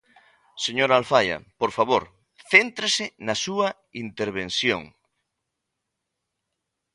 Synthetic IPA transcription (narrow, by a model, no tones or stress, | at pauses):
seɲoɾaalfajɐ̰poɾfaβoɾ | θent̪ɾesenɐsuɐ | int̪eɾβ̞ẽnsjo̰ŋ